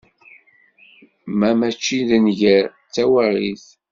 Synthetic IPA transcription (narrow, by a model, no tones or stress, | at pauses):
mæmæt͡ʃːiðənʝəɾ | t͡sːæwarˤiθ